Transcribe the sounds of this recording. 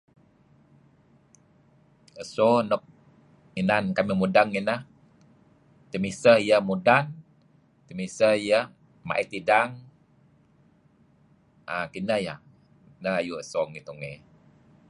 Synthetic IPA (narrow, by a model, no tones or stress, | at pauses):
əsonɔk̚ | inankamimudaŋinəh | t̪əmisəhijəmudan | t̪əmisəijə | ma̰ʔit̪idaŋ | akinəja | nəhajuəsoŋit̪uŋe